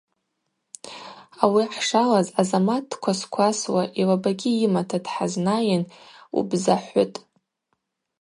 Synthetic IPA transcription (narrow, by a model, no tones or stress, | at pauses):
awiħʂalazazamatʰːkʷʰaskʷʰaswaʔilabaɡʲiimatʰadħaznajɪnṵbzaħʷʊ̰tʼ